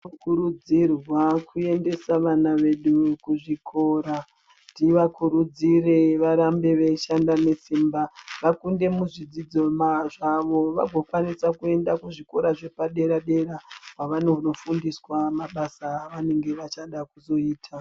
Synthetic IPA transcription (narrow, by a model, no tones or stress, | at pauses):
kuɾud͡zirwakʰue̞nde̞saʋanaʋe̞ɗukuʐikʰo̞ɾa | ndiʋakuɾud͡zire̞ʋaɾambe̞ʋe̞ʃandane̞simbaʋakunde̞muʐid͡zid͡zo̞maʐaʋo̞ʋa̰ɡʱo̞kwanisakue̞ndakuʐiko̞ɾaʐe̞paɗe̞ɾaɗe̞ɾakwaʋanono̞fundiswamaɓasaːʋane̞ŋɡe̞ʋat͡ʃaɗakuzo̞iːtʰa